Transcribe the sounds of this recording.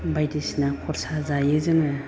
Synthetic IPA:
bajdisinakʰɔɾsazajɯzɯŋɯ

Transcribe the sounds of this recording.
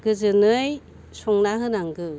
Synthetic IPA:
ɡ̥ɯzɯnɯj | sɔŋnaɦɯnaŋɡɯ

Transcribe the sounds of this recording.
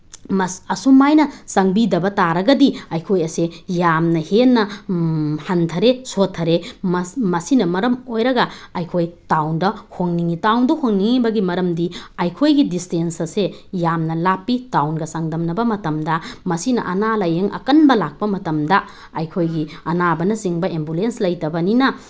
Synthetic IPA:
mɐɐsumːajnɐsɐŋbidɐbɐtaɾɐɡɐdiɐjkʰojɐsejamnɐhenːɐ | hɐntʰɐɾesotʰːɐɾemmɐsinɐmɐɾɐmojɾɐɡɐɐjkʰojtawndɐhoŋniŋitawndɐhoŋniŋibɐɡimɐɾɐmdiɐjkʰojɡidistensɐsejamnɐlapːitawnɡɐsaŋdɐmnɐbɐmɐtɐmdɐmɐsinɐ̰ʔɐnalɐjeŋʔɐ̰kɐnbɐlak̚pɐmɐtɐmdɐ | ɐjkʰojɡiɐnabɐnɐsiŋbɐembulenslɐjtɐbɐninɐ

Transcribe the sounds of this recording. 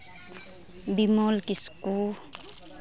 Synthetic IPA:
bimɔlkisku

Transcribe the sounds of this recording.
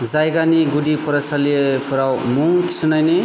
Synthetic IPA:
d͡zajɡaniɡuɖipʰuɾasalepʰuɾawmuŋt̪ʰsunajne

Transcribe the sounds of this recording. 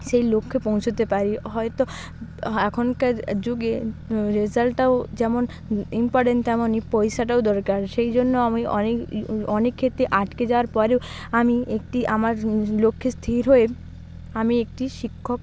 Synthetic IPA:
ʃejlokʰːepõw̃t͡ɕʰot̪epaɾiɦɔet̪o | ɛkʰonkaɾd͡ʑuɡeɾezalʈaod͡ʑɛmon | impɔɾʈenʈt̪ɛmonːipɔjʃaʈ̬aod̪ɔɾkaɾʃejd͡ʑonːoamiʔɔ̰nekɔnekʰːet̪ɾeʔaʈked͡ʑaoaɾpɔɾeo | amiek̚ʈiʔamaɾlokʰːest̪ʰiɾɦoe | amiek̚ʈiʃikʰːok̚

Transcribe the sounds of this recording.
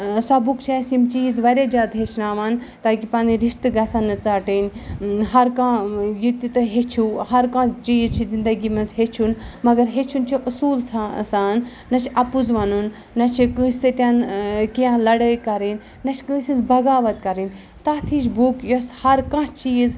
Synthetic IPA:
sɐbukt͡ʃʰesimt͡ʃiːzʋɐɾʲed͡ʒaːd̪ɦet͡ʃʰnaːʋɐn | t̪aːkipɐːniɾiʃt̪ɨɡɐsɐnːɨt͡saːʈinʲɦɐɾkãjit̪it̪ɨɦet͡ʃʰuhɐɾkãːt͡ʃiːzt͡ʃʰizind̪ɐɡimɐnzɦet͡ʃʰunmɐɡɐɾɦet͡ʃʰunt͡ʃʰiʔusuːlt͡sʰasaːnː | ɐt͡ʃʰɐpuzʋɐnunː | ɐt͡ʃʰikɨːsɨt̪ʲɐnkiãlɐɽəkɐɾinʲːɐt͡ʃʰkɨ̃ːsizbɐɡaːʋɐt̪̚kɐɾin | t̪ɐt̪ʰiːʃbukjoshɐɾkãːt͡ʃiːz

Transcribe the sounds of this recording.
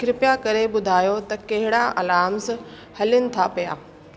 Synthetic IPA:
kɪɾɪpjakɐɾeɓʊd̪ʱaːjot̪ɐkɐɦɪɽaʔɐlaːms | hɐljʊnɪ̆t̪ʰapija̰ː

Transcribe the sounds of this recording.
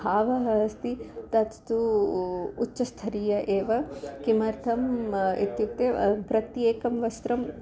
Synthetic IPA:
ɦaːʋɐɦɐɦɐst̪it̪ɐt̪t̪u | utːʃɐst̪ʰɐɾiːjɐʔeːʋɐkimɐɾt̪ʰɐmet̪jut̪epɾɐt̪jeːkɐmʋɐst̪ɾɐm

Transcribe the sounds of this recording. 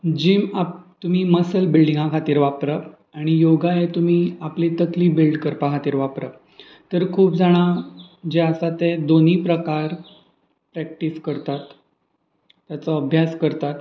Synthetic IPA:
d͡ʑiːmapt̪um̤iːməsəlbilɖiŋɡãkʰat̪iːɾʋapɾə | aɽ̃ijoɡajet̪um̤iːaplit̪əkliːbilɖkəɾpakʰat̪iːɾʋapɾə | t̪əɾkʰuːpd͡zaɽ̃ad͡ʑeasat̪ed̪on̤iːpɾəkaɾ | pɾɛk̚ʈiskəɾt̪at̪ | jat͡səəbʱjaskəɾt̪at̪

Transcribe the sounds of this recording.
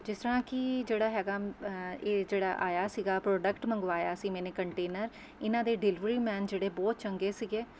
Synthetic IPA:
d͡ʒɪst̪əɾãːkɪd͡ʒeːɽaːɦɛːɡaːeːd͡ʒeːɽa̰ːʔaːjaːsiːɡaːpɾoːɖəkʈmə̃ŋɡʋaːjaːsĩːmɛːneːkəɳʈeːnəɾ | ɪnãːd̪eːɖɪlɪʋɾiːmɛːnd͡ʒeːɽeːbɔːt̪̚t͡ʃəŋɡeːsiːɡeː

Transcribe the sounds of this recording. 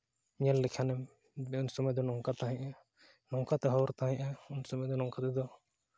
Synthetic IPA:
miɲallɛkʰanɛm | unsɔmɛd̪ɔnɔŋkat̪aɦɛ̃ɲʔɛ | nɔŋkat̪ɛɦɔɔɾt̪aɦɛ̃ʔɛunsɔmɛd̪ɔnɔŋkat̪ɛd̪ɔ

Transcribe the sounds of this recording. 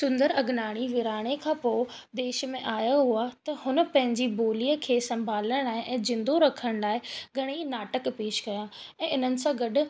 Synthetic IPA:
sʊ̃nd̪əɾɐɡnaːɽ̃iʋɪɾaːɽ̃ekʰãːpoː | d̪eːʃmẽʔaːjaɦuat̪ɐhʊnə̆pɐ̃ɦɪ̃ɲd͡ʑiboːliːəkʰeːsɐ̃mbʱaːləɽ̃laːɦɪʔɛ̃ːzɪ̃nd̪oɾɐkʰəɽ̃laːɪɡʱɐɽ̃inaːʈəkpeːʃkɐjãɛ̃ːɪn̤ənɪ̆sãɡɐɗʊ̆

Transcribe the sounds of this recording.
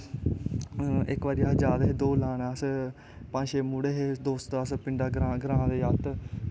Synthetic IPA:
ɪkʋaːɾijaːɦd͡ʒaːd̪ɦeːd̪oːlaːnaːs | pãːʃeːmuːɽeːɦeːd̪oːst̪aːspɪɳɖaːɡɾãːɡəɾãːd̪eːjaːt̪

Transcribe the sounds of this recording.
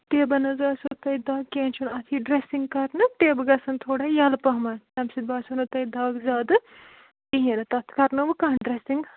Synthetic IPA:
ʈ̪eːbɐnɐzaːsot̪ɐjd̪ɐːɡ̚keːnt͡ʃʰunɐt̪ʰiɖɾesiŋɡkɐɾnɨʈ̪eːbɡɐsɐnt̪ʰoːɽajɐlpɐɦmɐnt̪ɐmsid̪̚baːsunɨt̪ɐjd̪ɐːɡzaːd̪ɨ | iɦinɐt̪ɐt̪ʰkɐɾnɨʋɨkɐːɦnɖɾesiŋɡ

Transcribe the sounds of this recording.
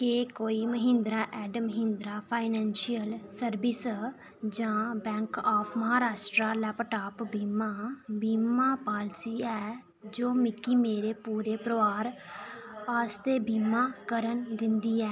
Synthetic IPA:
kekoːiːməɦɪ̃nd̪ɾaːʔɛːɖməɦɪ̃nd̪ɾaːpʰaːɪnɛːnʃiəlsəɾbɪs | d͡ʒãːbɛ̃ːŋkaːpʰməɦaːɾaːʃʈɾaːlɛːpəʈaːpbiːmaːbiːmaːpaːlsiːɛː | d͡ʒoːmɪkːiːmeːɾeːpuːɾeːpɾəʋaːɾ | aːst̪eːbiːmaːkəɾənd̪ɪ̃nd̪iːɛː

